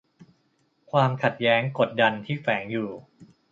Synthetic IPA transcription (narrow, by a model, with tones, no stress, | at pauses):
kʰwaː˧mkʰa˨˩t̪̚jɛː˦˥ŋko˨˩t̪̚da˧nt̪ʰiː˥˩fɛː˩˦ŋjuː˨˩